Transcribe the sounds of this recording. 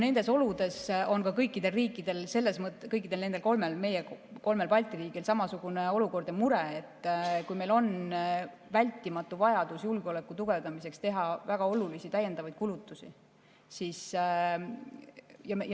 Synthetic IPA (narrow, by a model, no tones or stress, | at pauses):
ne̞nd̪̥e̞so̞lud̪̥e̞so̞nkɑkɤjkːˑid̪̥e̞lriːkːˑid̪̥e̞lse̞lːe̞smɤt̪ːˑkɤjkːˑid̪̥elne̞nd̪elko̞lme̞lme̞jeko̞lme̞lpɑlʲt̪ˑiɾiːɡilsɑmɑsuɡ̥une̞o̞luko̞rd̪emuɾe̞et̪ːˑkujme̞jlo̞n | vælʲt̪ːˑimɑt̪ːˑuvɑjɑd̪usjulɡ̥eo̞le̞kːˑut̪uɡ̥e̞vd̪ɑmise̞kst̪e̞ɦɑvæɡ̥ɑo̞lulisit̪æjːe̞nd̪ɑvɑjd̪̥̚kulut̪ːˑusi | sis | jɑj